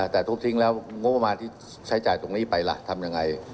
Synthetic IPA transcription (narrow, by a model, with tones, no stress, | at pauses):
t̪ɛː˨˩t̪ʰu˦˥t̪ʰi˧˥˩ŋlɛː˦˥wŋo˦˥pːa˧maː˧nt̪ʰiː˥˩ | t͡ɕʰa˦˥jt͡ɕaː˨˩jt̪o˧ŋniː˦˥˩pa˧jla̰˨˩t̪ʰa˧mja˧ŋːa˧j